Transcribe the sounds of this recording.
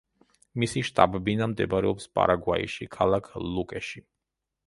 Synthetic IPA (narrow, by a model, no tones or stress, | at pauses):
misiʃt̪ʼabɛbinamd̪ɛbɾɛɔpspʼa̰ɾaɡwaḭʃikʰalˠakʰlˠukʼɛʃi